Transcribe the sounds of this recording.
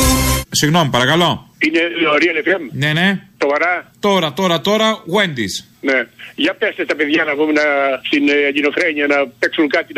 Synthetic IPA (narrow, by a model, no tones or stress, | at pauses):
siɣno̞mipɐɾɐkɐlo̞ineoɾiɐlefemne̞nesovɐɾɐt̪o̞ɾɐt̪o̞ɾɐt̪o̞ɾɐɣwe̞nd̪is | neʝɐpest̪est̪ɐpeðʝɐnɐvumenɐst̪inɲinofɾeɲiɐnɐpeksuŋkɐt̪in